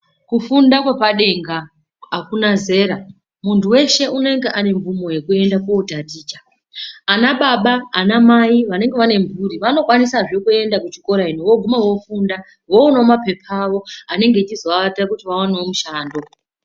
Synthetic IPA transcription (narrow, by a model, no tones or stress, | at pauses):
kufundakwapaɗe̞ŋɡaː | kunaze̞ːɾa | muntuwe̞ʃe̞ʔune̞ŋɡeʔane̞ɱvumo̞je̞kue̞ndakoːdʱatiːt͡ʃḁː | naɓaɓaːnamaiʋane̞ŋɡe̞ʋane̞mbuɾiʋano̞kwanisaʐekue̞ndakut͡ʃiko̞ɾainuwo̞ɡʱumawo̞funda | wo̞uno̞mape̞pʰaːʋo̞ane̞ŋɡe̞t͡ʃizoaatirakutiʋawaneomuʃaːndo̞